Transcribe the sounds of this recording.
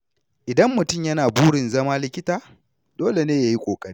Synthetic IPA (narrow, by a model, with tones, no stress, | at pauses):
ʔɪ˨dɐ˦mːʊ˨tʊ˦˨mjɐ˦naː˨buː˦ɽɪ˨nzɐ˦maː˦lɪ˨kʲɪ˦taː˨ | doː˦le˨neː˦ja˦ji˦kʷʼoː˨kʼɐ˦ɽiː˦